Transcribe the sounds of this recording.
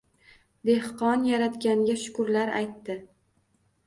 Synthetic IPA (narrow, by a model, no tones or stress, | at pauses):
d̪e̞hqɒnjaɾat̪ɡʲaŋɡʲaʃʊ̥kʊɾlaɾa̰jt̪ːɪ